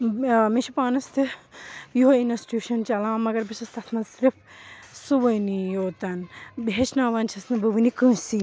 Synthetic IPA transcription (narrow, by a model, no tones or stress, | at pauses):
miʃʰipaːnɐst̪ʰɨjuɦoinɐsʈuːʃɐnt͡ʃɐlãːmɐɡɐɾbiʃɐst̪ɐt̪ʰmɐsɾif | suʋɐjnijoːt̪ɐnbet͡ʃʰnãːʋɐnt͡ʃʰɐsnɨbɨʋɨnikɨ̃ːsi